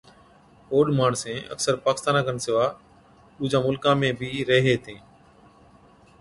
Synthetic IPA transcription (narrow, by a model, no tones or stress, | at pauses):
oːɗmaːɳsẽːə̰ksəɾpaːkɪst̪aːnãːɡənsɪʋaː | ɗuːd͡ʒãːmʊlkãːmẽːbʱiːɾeɦeːt̪ʰẽː